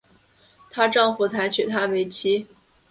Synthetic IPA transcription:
t̪ʰa˥ʈ͡ʂɑ˥˧ŋfu˨˩t͡sʰa˧˥ɪt͡ɕʰy˨˩t̪ʰa˥we˧˥ɪt͡ɕʰi˥

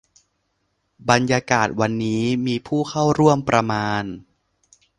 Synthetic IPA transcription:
ba˧njaː˧kaː˨˩t̪̚wa˧nːiː˦˥miː˧pʰuː˥˩kʰa˥˩wɾu˥˩əmpɾa˧maː˧n

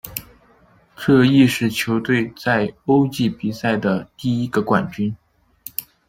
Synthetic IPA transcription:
ʈ͡ʂɤ˥˧i˥˧ʂɻ̩˥˩t͡ɕʰjo˧˥ʊt̪we˥˧ɪt͡sa˥˩˧ɪo˥ʊt͡ɕi˥˩pi˨˩sa˥˩ɪd̪ə˩t̪i˥˩i˥ɡə˧kwa˨˩nt͡ɕy˥n

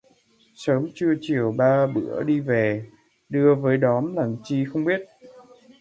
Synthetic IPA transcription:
səː˨˦mt͡ɕɨ˧ət͡ɕi˨˩əwɓaː˧ɓɨ̰˧˩˥əɗi˧ve˨˩ | ɗɨ˧əvəː˨˦jɗɔ˨˦mlaː˨˩ŋt͡ɕi˧xə˧wŋ͡mɓi˦˥ət̚

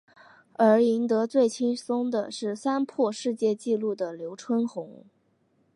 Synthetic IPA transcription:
ə˞˧˥i˧˥nt̪ɤ˧˥t͡swe˥˩ɪt͡ɕʰi˥nsʊ˥ŋd̪ə̰˨ʂɻ̩˥˩sa˥npʰwɔ˥˧ʂɻ̩˥˧t͡ɕjɛ˥˧t͡ɕi˥˧lu˥˩d̪ə˩ljo˧˥ʊʈ͡ʂʰwə˥nxʊ˧˥ŋ

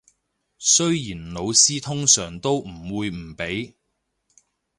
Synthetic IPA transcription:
sɵ˥ɥjiː˨˩nlo˨˧wsiː˥t̪ʰʊ˥ŋsœː˨˩ŋt̪o˥wm̩˨˩wuː˨˧jm̩˨˩pe˨˥j

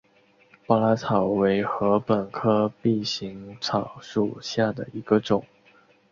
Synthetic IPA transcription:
pa˥˧la˥t͡sʰɑ˨˩ʊwe˧˥ɪxɤ˧˥pə˨˩nkʰɤ˥pi˥˩ɕi˧˥ŋt͡sʰɑ˨˩ʊʂu˨˩ɕja˥˩d̪ə˩i˧˥ɡ̥ə˧ʈ͡ʂʊ˨˩˦ŋ

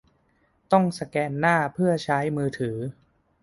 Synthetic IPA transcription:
t̪ɔ˥˩ŋsa˧kɛː˧nːaː˥˩pʰɯ˥˩ɐt͡ɕʰa˦˥jmɯː˧t̪ʰɯː˩˦

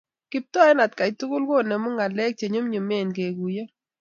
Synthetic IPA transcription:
kɪ˨p̚tɔ˦ɛ˦na˨t̚ka˨i˨tu˦kʊ˦lɡo˦˨nɛ˨mʊ˦ŋa˨lɛ˦k̚t͡ʃe˨ɲo˦mɲʊ˨me˦˨nɡe˨ɡu˨ja˦

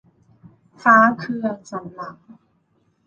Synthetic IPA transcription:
faː˦˥kʰɯ˧ɐt͡ɕa˨˩mla˨˩˦ŋ̚

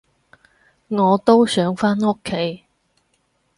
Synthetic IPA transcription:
ŋɔː˨˧t̪o˥wsœː˨˥ŋfaː˥no˥kʰːe˨˥j

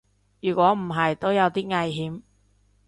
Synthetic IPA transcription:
jyː˨˩kʷɔː˨˥m̩˨˩ɦɐ˨jt̪o˥wjɐ˨˧wt̪iː˥ŋɐ˧jɦiː˨˥m

